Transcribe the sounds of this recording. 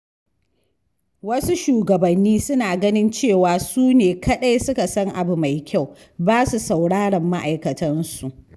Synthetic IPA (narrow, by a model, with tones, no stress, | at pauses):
wɐ˦su˦ʃuː˨ɡɐ˨bɐ˨nːiː˦sʊ˦naː˨ɡɐ˦nɪ˦nt͡ʃeː˦˨waː˨suː˦neː˨kʰɐ˦ɗa˦jsʊ˦ka˨sɐ˦ŋʔa˨bu˨ma˨jkʲa˦˨w | baː˦su˨sa˨wɽaː˦ɽɐ˨mːa˦ʔa˨jkɐ˨tɐ˦nsu˨ʔ